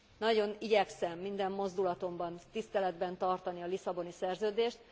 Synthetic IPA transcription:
nɒɟo̞niɟɛksɛmːind̪ɛmːo̞zd̪ulɒt̪o̞mbɒnt̪ist̪ɛlɛd̪bɛnt̪ɒrt̪ɒniɒlisɒbo̞nisɛrzøːd̪eːʃt̪̚

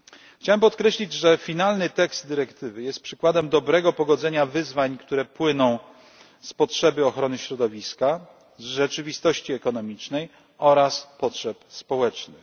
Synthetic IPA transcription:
xt͡ɕawɛmpɔt̪kɾɛɕlʲid͡ʑʐɛfʲinalnɘt̪ɛkst̪̚d̪ɘɾɛkt̪ɘvɘjɛst̪̚pʂɘkwad̪ɛmd̪ɔbɾɛɡɔpɔɡɔd̪zɛɲavɘzvaɲkt̪uɾɛpwɘnɔ̃w̃ | spɔtʂɛbɘɔxɾɔnɘɕɾɔd̪ɔvʲiska | zʐɛt͡ʂɘvʲist̪ɔɕt͡ɕiɛkɔnɔmʲit͡ʂnɛj | ɔɾaspɔtʂɛpspɔwɛt͡ʂnɘx

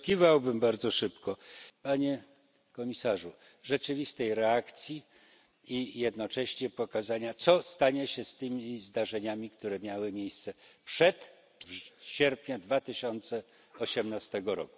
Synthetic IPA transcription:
kʲivawbɘmbaɾd̪zɔʂɘpkɔpaɲe | kɔmʲisaʐu | ʐɛt͡ʂɘvʲist̪ɛjɾɛakt̪sʲji | ijɛd̪nɔt͡ʂɛɕɲɛpɔkazaɲat̪sɔst̪aɲɛɕɛst̪ɘmʲizd̪aʐɛɲamʲikt̪uɾɛmʲjawɘmʲjejst̪sɛpʂɛt̪ | vɕɛɾpʲɲad̪vat̪ɘɕɔnt̪sɛ | ɔɕɛmnast̪ɛɡɔɾɔ̰ku

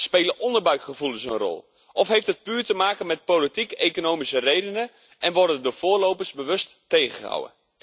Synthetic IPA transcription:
speːləʔɔndəɹbœɥkχəvulənzonrɔ̰lˠ | ʔɔfɦejftɦət̚pyːɹtəmaːkənmɛt̚politikekonowmisərejdənə | ʔɛnʋɔrdəndʊːv̥ʊːɹlowpəɹsbəʋɵstːejχəha̰wə̰n

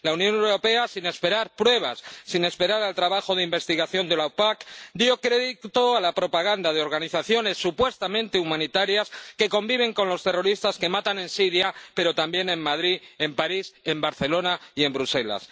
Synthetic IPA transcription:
launjõ̞newɾo̞pe̞asine̞speɾaɾpɾwe̞β̞asːine̞spe̞ɾaɾalt̪ɾaβaxo̞ð̞eimbe̞st̪iɣaθjo̞nd̪e̞lapakd̪jo̞kɾe̞ðit̪o̞alapɾo̞paɣ̞and̪að̞eo̞ɾɣaniθaθjo̞ne̞sːupwe̞st̪amẽ̞nt̪e̞umãnit̪aɾjaske̞ko̞mbiβ̞e̞ŋko̞nlo̞st̪e̞ro̞ɾist̪aske̞mat̪anẽ̞nsiɾjape̞ɾo̞t̪ambje̞nẽ̞mːmaðɾie̞mpaɾisembaɾθe̞lo̞naie̞mbɾuse̞la̰s

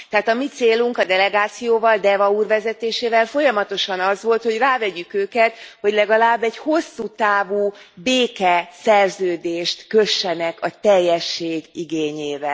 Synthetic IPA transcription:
t̪ɛɦaːt̪ɒmit̪seːluŋkɒd̪ɛlɛɡaːt̪sijoːvɒld̪ɛvɒuːrvɛzɛt̪eːʃeːvɛlfo̞jɒmɒt̪o̞ʃɒnɒzʋo̞lt̪ho̞ɟraːvɛɟykøːkɛt̪ho̞ɟlɛɡɒlaːbːɛɟho̞sːut̪aːvuːbeːkɛsɛrzøːd̪eːʃt̪køʃːɛnɛkɒt̪ɛjːɛʃːeːɡiɡeːɲeːvɛl

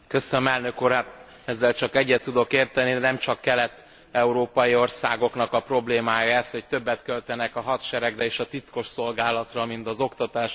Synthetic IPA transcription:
kø̞sønømɛlnø̞kuːɾat̪ | ɛzːɛlt͡ʃɒkɛɟːɛt̪ːud̪o̞keːrt̪ɛniɛnɛmt͡ʃɒkːɛlɛt̪ː | ɛuɾoːpɒjio̞rsaːɡo̞kn̪ɒkɒpro̞bleːmaːjɒɛst̪ho̞c̚t̪ø̞bːɛt̪kølt̪ɛnɛkɒɦɒt̪ʃɛɾɛɡrɛeːʃɒt̪it̪ko̞ʃso̞lɡaːlɒt̪rɒmint̪ɒzo̞kt̪ɒt̪aːʃ

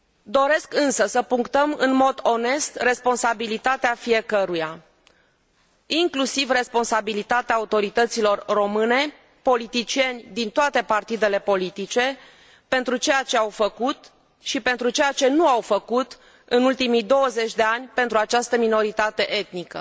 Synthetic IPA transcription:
d̪o̞ɾe̞skɨnsəsəpuŋkt̪əmɨnmo̞d̪o̞ne̞st̪re̞spo̞nsabilit̪at̪eafije̞kəɾuja | iŋklusivre̞spo̞nsabilit̪at̪eaːut̪o̞ɾit̪ət̪silo̞rːo̞mɨne̞ | po̞lit̪it͡ʃie̞nʲd̪int̪oat̪e̞part̪id̪e̞le̞po̞lit̪it͡ʃe̞ | pe̞nt̪ɾut͡ʃe̞jat͡ʃe̞awfəkut̪ | ʃipe̞nt̪ɾut͡ʃe̞jat͡ʃe̞nuawfəkut̪ | ɨnult̪imijd̪o̞wəze̞t͡ʃʲd̪e̞anʲpe̞nt̪ɾuat͡ʃast̪əmino̞ɾit̪at̪e̞ʔet̪nikə̰

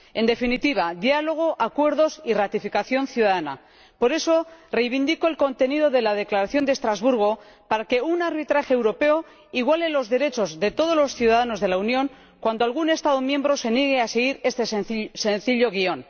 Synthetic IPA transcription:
e̞nd̪e̞finit̪iβ̞ad̪jalo̞ɣ̞o̞ʔakwe̞ɾðo̞sirat̪ifikaθjo̞nθjuðaðana̰ | po̞ɾe̞so̞re̞jβind̪iko̞e̞lko̞nt̪e̞nið̞o̞ðe̞lað̞e̞klaɾaθjo̞nd̪est̪ɾazβuɾɣ̞o̞ | paɾake̞unaɾβit̪ɾaxeːwɾo̞pe̞o | iɣwale̞lo̞zðe̞ɾe̞t͡ʃo̞zðe̞t̪o̞ð̞o̞zlo̞sθjuðaðano̞zðe̞launjõ̞ŋ | kwand̪oalɣ̞une̞st̪aðo̞mje̞mbɾo̞se̞njeɣ̞e̞ase̞ɣ̞iɾe̞st̪essenθiʎo̞ɣ̞io̞n

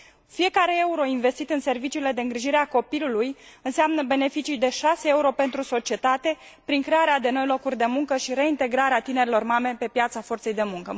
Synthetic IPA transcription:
fije̞kaɾe̞e̞uɾo̞inve̞st̪it̪ɨnse̞rvit͡ʃiːle̞d̪e̞ɨŋɡɾiʒiɾeako̞pilulujɨnseamnəbe̞ne̞fit͡ʃijd̪e̞ʃaseeuɾo̞pe̞nt̪ɾuso̞t͡ʃie̞t̪at̪e̞ | pɾiŋkɾe̞aɾead̪e̞no̞jlo̞kurʲd̪e̞muŋkəʃiɾe̞int̪e̞ɡɾaɾeat̪ine̞ɾilo̞rmamepe̞pjat̪safo̞rt̪se̞jd̪e̞muŋkə

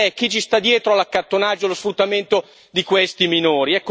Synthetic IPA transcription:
ɛk̟ːit͡ʃist̪ad̪ːjɛːt̪ɾoalakːart̪onad͡ʒːolosfɾut̪ːament̪o | d̪ikwest̪iminoːɾiɛkːo

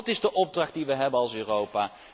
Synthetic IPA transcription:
tɪzdəʔɔb̚drɑχt̚diʋəɦɛbənɑlˠsøːrowpaː

